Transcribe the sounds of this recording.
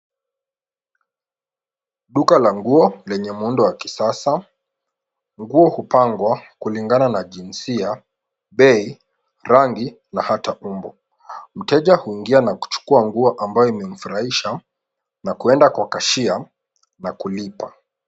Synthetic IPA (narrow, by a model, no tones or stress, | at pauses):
ɗukalaŋɡuɔlɛɲɛmuundɔwakisasa | ŋɡuɔhupaŋɡwakuliŋɡananaʄinsia | ɓɛi | ɾaŋɡi | nahataumbɔ | m̩tɛʄahuiŋɡianaku̥t͡ʃu̥kuaŋɡuɔʔambajɔimɛm̩fuɾaiʃa | nakuɛndakwakaʃia | nakulipa